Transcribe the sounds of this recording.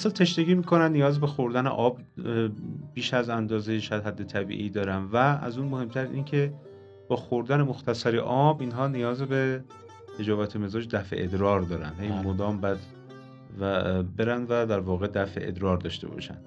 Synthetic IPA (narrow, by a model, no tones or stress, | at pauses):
æsɒlt̪ʰe̞ʃd̪eɡiːmiːkʰo̞nænnijɒːzbe̞xoɾd̪ænḛʔɒːb | b̥iːʃæzænd̪ɒːzejeʃæd̪ɦæd̪ːet̪ʰæbḭːʔiːd̪ɒːɾænd̪vææ̰zuːnmohe̞mt̪ʰæɾʔḭːncʰe | b̥ɒːxoɾd̪ænemoxt̪ʰæsæɾeʔɒːbinɦɒːnijɒːzebe | he̞d͡ʒɒːvæt̪ʰeme̞zɒːd͡ʒd̪æfḛʔed̪ɾɒːɾd̪ɒːɾæ̰nd̪hejmod̪ɒːmbæd̪ | væbe̞ɾænd̪væd̪æɾvɒːɣe̞d̪æfeʔḛd̪ɾɒːɾd̪ɒ̰ːʃt̪e̞̰bɒ̰ːʃæ̰nd̪̥